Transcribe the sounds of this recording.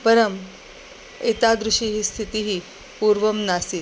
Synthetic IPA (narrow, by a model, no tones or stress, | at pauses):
pəɾəm | it̪ad̪ɾuʂiɦiːst̪ʰit̪iɦiː | puːɾʋəmnasiː